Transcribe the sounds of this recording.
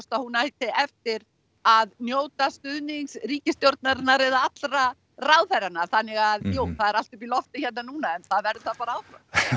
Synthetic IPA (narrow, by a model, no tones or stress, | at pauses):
st̪ahunajt̪ɪɛft̪ɪɾ | aðnjoːwt̪ast̪ʏðniŋksriːcɪst̪jowɾt̪̚naɾɪnːaɾɛðaat̪lɾa | rawðθɛɾanaɾθanːɪɣaðjuːwθaðɛɾalt̪ʏpilɔft̪ɪçɛt̪nanuːnaɛnθaðvɛɾðʏθaðpaɾaaːwfɾa